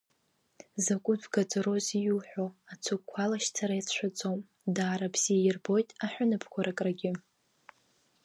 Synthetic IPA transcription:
zakʷʼʊdɡat͡sʼɾo̞zijuħʷᶣoat͡sʰukʷʰalaʃt͡sʰaɾajat͡sʷʰᶣat͡sʼom | daːɾabz̥ijɪrbo̞jtʼaħᶣʷʊnɨpʰkʷʰaɾakʼraɡʲɪ

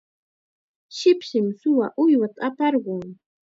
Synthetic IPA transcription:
ʃɪpʃɪmsʊwaʔʊjwat̪aapɑɾɢoː

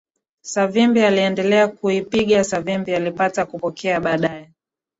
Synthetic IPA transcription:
savimbialiɛndɛlɛakuipiɠasavimbialipatakupɔkʰɛaɓaːɗaɛ

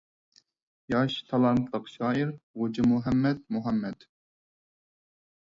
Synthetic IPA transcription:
jɑʃt̪ʰɑlˠɑnt̪ʰlˠəqʃɑːiɾʁʊd͡ʒɪmuɦɛmːɛd̪̚muɦɛmːɛd̪̥

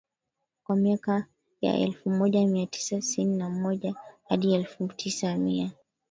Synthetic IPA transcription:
kwamiaka | ja̰ʔɛ̰lfumɔʄamiatʰi̥sati̥sininamɔʄahaɗiɛlfutʰisamia

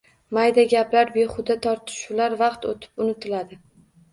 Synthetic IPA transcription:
majd̪aɡʲaplaɾbeχʊd̪at̪ʰɒɾt̪ʰɪ̥ʃʊlaɾvɑqt̪o̰t̪ʰɪ̥pʊnɪt̪ʰɪlad̪ɪ

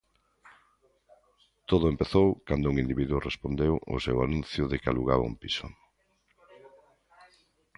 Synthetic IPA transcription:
t̪oðʊempeθowkand̪ouŋind̪iβiðuʊrespond̪ewʔo̰sewanũnθjʊðekaluɣaβa̰ṵmpisʊ

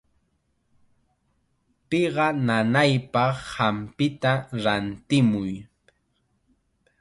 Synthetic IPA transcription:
peɢɑnanajpɑχhampɪt̪aɾant̪ɪmʊj

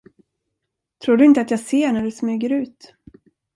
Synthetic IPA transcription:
t̪ʰɾuːɖɵɪnt̪əat̪jɑɡseːɳæɖɵsmyːɡəɾʉ̟ːt̪

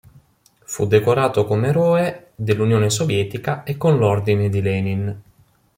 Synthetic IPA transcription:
fṵd̪ːekoɾaːt̪okomeɾɔːed̪elːunjoːnesovjɛːt̪ikaekːonlɔrd̪ined̪ilɛnin

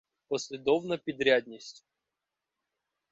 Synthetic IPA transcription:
pɔsʲlʲɪd̪ɔvnɐpʲid̪ɾʲad̪ʲnʲisʲtʲ

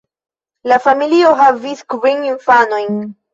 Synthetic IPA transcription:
lafamilioɦaviskvininfano̞jn

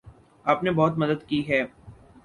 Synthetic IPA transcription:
aːpnebɔːt̪mɐd̪əd̪kiɦɛː

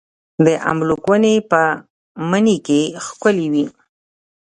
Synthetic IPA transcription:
d̪əʔa̰mlukwənepə | mənikexkʊliwi

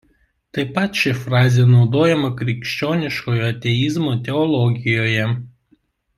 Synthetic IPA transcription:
t̪ɐɪpɐt̪ʃʲɪfɾɑːzʲeːnɒʊd̪oːjɛmɐkɾʲɪkʃʲt͡ʃʲoːnʲɪʃkoːjoːɐt̪ʲɛɪzmoːt̪ʲɛɔlˠɔɡʲɪjoːjɛ

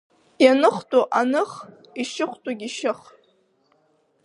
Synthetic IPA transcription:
janɨχtʼoʔanɨχ | iʃɪχʷtʼoɡʲiʃɪχ

